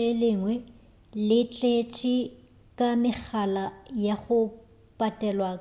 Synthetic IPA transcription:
ɛlɪŋwɛ | lɪt͡ɬʼet͡ʃʼɪ | kʼamɪk͡xʰalajaχʊ | pʼatʼɛlwaːk

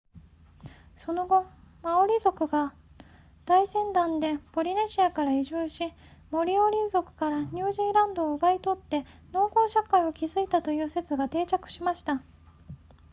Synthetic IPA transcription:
so̞no̞ɡo̞ | maoɾʲizo̞kɯ̟ɡa | d̪̥aisẽ̞nd̪ãnd̪e̞po̞ɾʲine̞ɕiakaɾaiʑɨːɕi | mo̞ɾʲio̞ɾʲizo̞kɯ̟̥kaɾaɲ̟ɨːʑiːɾãnd̪o̞ːɯ̟bait̪o̞t̪ːe̞ | no̞ːko̞ːɕakaio̞kʲizɨit̪at̪o̞jɯ̟ːse̞t͡sɨɡat̪e̞ːt͡ɕakɯ̟̥ɕimaɕi̥t̪a

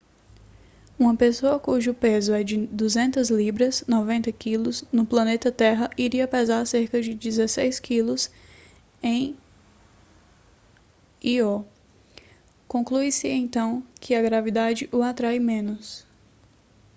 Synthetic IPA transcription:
ũmɐpesoɐkuʒʊpezʊɛd͡ʒɪd̪uzẽnt̪ɐzlibɾɐznɔvẽnt̪ɐkilʊznʊplɐ̃net̪ɐt̪ɛɦɐʔiɾiɐpɛzaɾseɾkɐd͡ʒɪd͡ʒizesejskʰilʊs | ẽj̃ | iɔ | kõkluisɪẽt̪ɐ̃w̃kʰɪɐɡɾavid̪ad͡ʒɪʔʊat̪ɾajmẽnʊs

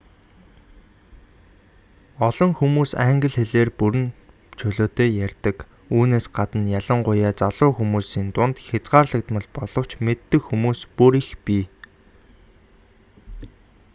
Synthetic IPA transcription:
ɔɮɞ̆ŋxumuːsæŋɡə̆ɮxeɮeːrpuɾɘ̆n | t͡ɕʰɵɮoːt̪eːjærʲt̪ə̆k | uːneːsɢat̪ə̆njaɮə̆ɴɢʊjaːt͡saɮʊːxumuːsiːnt̪ʊnt̪xʲat͡sɢaːrɮə̆k̚t̪mə̆ɮpɔɮ̥ɞ̆kt͡ɕʰmet̪ːɘ̆xxumuːspuɾixpiː

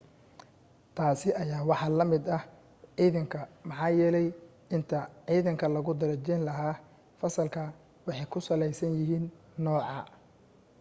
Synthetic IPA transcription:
t̪ʰaːsɪʔɐjaːwɑħɑlɐmɪd̪ɐh | ʕiːðɐŋkʰɐmɑħɑːjɛːlɛj | ɪnt̪ʰɐʕiːðɐŋkʰɐlɐɣʊd̪ɐɾɐt͡ʃɛːnlɐɦaː | fɐsɐlkʰɐ | wɑħɑjkʰʊsɐlɛjsɐnjɪɦiːnː | ɔːʕɑ̰

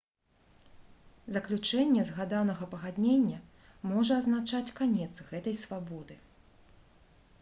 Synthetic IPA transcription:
zɐklʲut͡ʂɛnʲːɛzɣad̪anɐɣɐpɐɣad̪ʲnʲenʲːɐ | mɔʐɐːznat͡ʂat͡sʲkanʲɛt̪sɣɛt̪ɐjsvabɔd̪ɨ

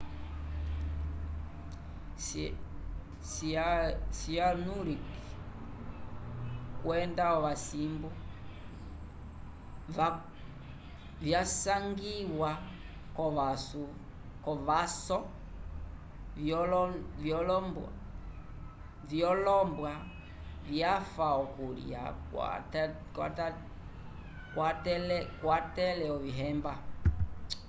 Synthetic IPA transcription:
s | sianuɾiki | kwɛndaɔʋasimbu | vjasaŋɡiwa | kɔʋasu | kɔvasɔ | vɔlvjɔlɔmba̰ | vjɔlɔmbwa | vjafaɔkulḭj̰a̰ka̰ | kwa̰ta | kwatɛlɛkwatɛlɛɔviɦɛmba

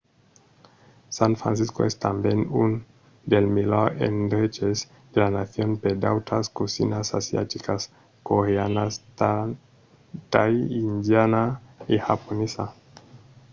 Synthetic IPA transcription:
saɱfɾa̰nsisko̰est̪ambjenun | d̪elmilaḛnd̪ɾet͡ʃez | d̪elanaθjo̞nped̪awt̪ʰaskosinasa̰sja̰t̪ikas | koɾeanas | t̪ajind̪janaixaponesa

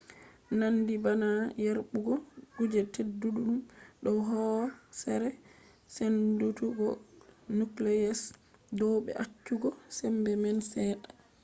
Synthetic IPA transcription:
nandibanajaɾɓuɡɔɡud͡ʒɛtedːuɗuɗumɗɔɦɔwsɛɾɛ | sendutuɡɔnuklɛjɛs | dɔɓɛ̰ʔat͡ʃːuɡɔsɛmbɛmɛnsɛːɗḁ

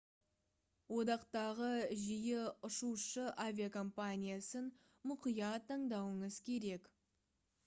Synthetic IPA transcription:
wo̞d̪ɑqt̪ɑʁəʒijeʊʃuʃəʔavʲiakʰo̞mpanʲijasən | mʊqijɑt̪ʰːɑɴd̪ɑwəɴəz̥kʲʰe̞ɾe̞k

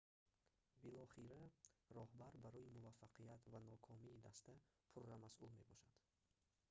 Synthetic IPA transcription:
bilɔχiɾarɔhbaɾbaɾɔimuvafːaqʰijat̪vanɔkʰɔmiːd̪ast̪apʰurːamasʔulme̞bɔʃad̪̥

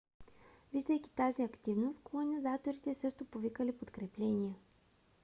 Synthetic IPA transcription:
viʒd̪əjk̟ʲi̥t̪aziɐkt̪ivnost̪kolˠonʲizat̪oɾit̪ɛsɤʃt̪opovikəlipot̪kɾɛplɛniə

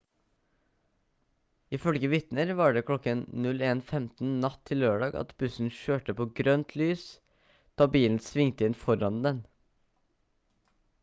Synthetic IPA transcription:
ɪfœlɡəʋɪt̪nəɾʋɑːɖeːkʰlɔkənnʉleːnfɛmt̪n̩nɑt̪ʰɪlløːɖɑːɡɑ̰t̪bʉsn̩ʃøːʈəpʰoːɡɾœnt̪ʰlyːs | t̪ʰɑːbiːln̩sʋɪŋt̪əɪnfɔɾɑnd̪ɛn

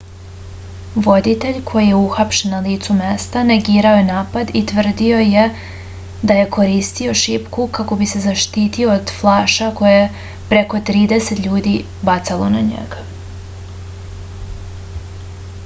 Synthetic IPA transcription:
ʋo̞d̪it̪e̞ʎkʰo̞jije̞uxapʃenːaliːt̪sume̞st̪ane̞ɡiːɾao̞jenaːpad̪it̪ʋr̩d̪io̞je | d̪aje̞ko̞ɾiːst̪io̞ʃipkukako̞bise̞zaʃt̪iːt̪io̞ːd̪flˠaːʃako̞jee | pɾe̞ko̞t̪ɾiːd̪e̞se̞t̪ʎuːd̪i | bat̪salˠonaɲḛɡa

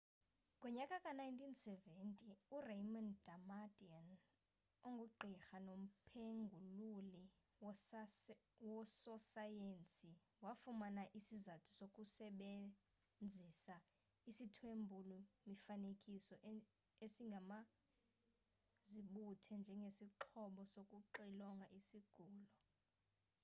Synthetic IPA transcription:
kʼɔɲakʼakʼanajntʰʼinsɛvɛntʼiurejmɔndamadʼian | oŋɡʱuǃʱixanom̩pʰeŋɡʱululi | wɔsɔsajent͡sʼi | wafumanaʔisizatʰu̥sokʼusɛɓe | nd͡zʱisa | isitʰwembʱulumifanekʼisɔʔ | esiŋɡʱama | ziɓutʰɛnd͡ʒʱɛŋɡʱesiǃʰɔɓɔsokʼuǃilɔŋɡʱaʔisiɡ̥ʱuːlɔ

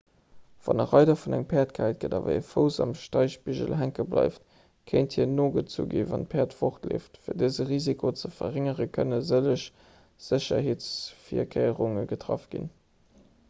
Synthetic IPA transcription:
v̥ɑ̰nɐʁɑɪdɐfunæŋpʰɛːɐtkʰæɪt̚ɡ̥ədɑvə̰efəʊzɑmʃtɑɪʃpiʑəlɦæŋkəblʔɑ̰ɪft | kʰeɪnthiːɐnoːɡət͡sṵːɡeːvɑn̚pʰeːɐtfoχtlḛːftfiːɐdəzəʁiːzikʰot͡səfɐʁeŋəʁəkʰənəzələɕ | z̥əɕɐ̰heːt͡sfiɐkʰeɪəʁuŋəɡətʁɑ̰fɡ̥ḭn

